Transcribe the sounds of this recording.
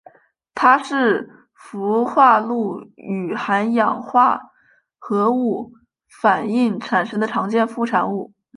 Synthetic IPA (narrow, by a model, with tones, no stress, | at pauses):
t̪ʰa˥ʂɻ̩˥˩ | fu˧˥xwa˥˧lu˥˩y˨˩xa˧˥njɑ˨˩ŋxwa˥˩ | xɤ˧˥u˥˩ | fa˨˩ni˥˩ŋʈ͡ʂʰa˨˩nʂɤ˥ŋd̪ə˨˩ʈ͡ʂʰɑ˧˥ŋt͡ɕjɛ˥˧nfu˥˩ʈ͡ʂʰa˨˩nu˥˩